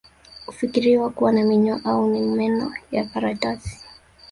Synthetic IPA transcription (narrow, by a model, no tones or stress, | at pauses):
hufikiɾiwakuwanamiɲɔʔaunimɛnɔjakaɾatasi̥